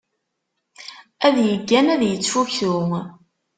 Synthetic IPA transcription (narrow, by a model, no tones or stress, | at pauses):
æðjəɡːænæðjət͡sːfuçθʊŋ